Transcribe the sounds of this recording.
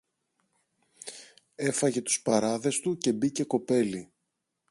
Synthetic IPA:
e̞fɐʝe̞t̪u̥spɐɾɐðe̞st̪uce̞bice̞ko̞pe̞li

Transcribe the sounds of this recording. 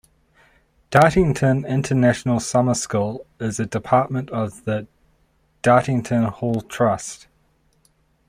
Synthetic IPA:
d̥ɑˑɾɪ̃ŋtʰə̃nɪ̃ntʰənæʃənəlˠsʌməskulˠɪzədɪpʰɑˑʔ̚mə̃ntəvðə | d̥ɑˑɾɪ̃ŋtʰə̃nhɔʊlˠtʰɹ̥ʌst

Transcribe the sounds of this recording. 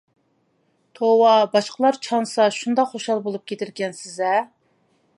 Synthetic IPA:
t̪ʰowɑbɑʃqəlˠɑɾt͡ʃʰɑnsɑʃund̪ɑqχoʃɑlˠbolˠup̚kʲʰet̪ʰɪɾkʲɛnsɪzɛ

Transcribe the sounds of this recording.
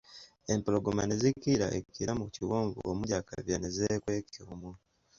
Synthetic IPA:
e̞mploɡomanezikːiɾa̰ʔekːiɾamuciwoːɱvṵo̰mujaka̰βjane̞zekwe̞ːkuːmu

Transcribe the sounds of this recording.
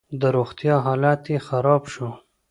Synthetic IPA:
d̪əɾoxt̪jɑɦɑːlɑt̪exaɾɑːbʃo

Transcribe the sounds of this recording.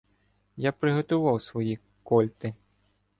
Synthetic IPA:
japɾɪɣɔt̪ʊʋɑwsʋɔji | kɔlʲt̪ɪ

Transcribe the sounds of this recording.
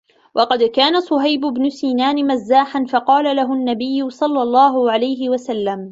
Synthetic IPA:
wʔɑqɑd̪kaːnasˤʊɦajbʊbnʊsiːnaːnɪmazːaːħanfɑqɑːlalaɦʊʔnːabɪjːʊsˤɑlːɑlˤːɑːɦʊʕalajɦɪwasalːam

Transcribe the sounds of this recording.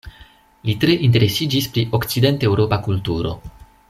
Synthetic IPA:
litɾe̞ʔint̬e̞ɾe̞sid͡ʒispɾiʔo̞kt͡side̞ntewɾo̞pakultuɾo̞̰

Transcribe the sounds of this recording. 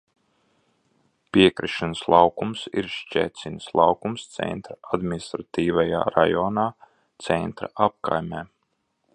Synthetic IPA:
piɛkɾiʃanslˠʔɑwkumsḭɾʃt͡ʃɛ̰ːt̪sʲinslˠɑwkumst̪sɛ̰nt̪ɾaad̪minist̪ɾat̪iːvaja̰ːɾa̰jɔːnaː | t̪sɛnt̪ɾa̰ʔap̚ka̰jmʲɛː

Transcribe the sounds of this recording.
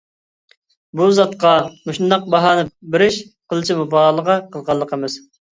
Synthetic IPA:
buzɑt̪qɑmuʃnd̪ɑq̚bɑɦɑːnɨbɪɾɪʃqʰəlˠɨt͡ʃʰimubɑːlˠəʁɑqəlˠʁɑlˠːəqʰəmɨz̥

